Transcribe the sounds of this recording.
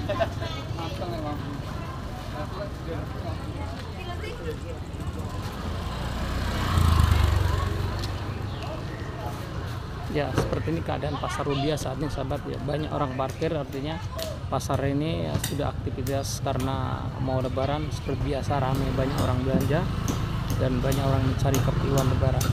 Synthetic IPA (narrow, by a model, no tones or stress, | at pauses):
jasə̥pərt̪iːnikəa̰daʔanpasarubiasaːt̪̚nisabat̪̚ja̰baɲako̰ɾaŋparkɪrart̪iɲa | pasaɾinḭsudaha̰k̚t̪ifit̪askaɾəna̰mawləbaɾansə̥pərt̪̚biasaɾamajbaɲako̰ɾaŋbəlaɲd͡ʒa | danbaɲakoɾaŋinit͡ʃaɾikəpiwanləbaɾan